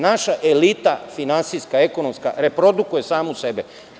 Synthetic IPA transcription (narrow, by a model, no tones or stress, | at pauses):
naʃaʔe̞lit̪afinansiskaekonomska̰ɾe̞pɾo̞d̪ukuje̞saːmusebe